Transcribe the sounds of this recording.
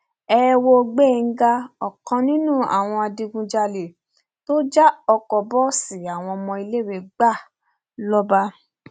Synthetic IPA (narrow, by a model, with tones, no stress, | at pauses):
ɛ˦wo˧ɡ͡be˦˨˧ɡa˦ɔ˨kã˧nĩ˦nũ˦a̰˨w̃ɔ̃˧a˧di˧ɡũ˧d͡ʒa˧le˨ | to˦d͡ʒa˦ɔ˧kɔ˨bɔ˦si˨a˨w̃ɔ̃˧mɔ̃˧i˧le˦˨we˨ɡ͡ba˦˨ | lɔ˦ba˧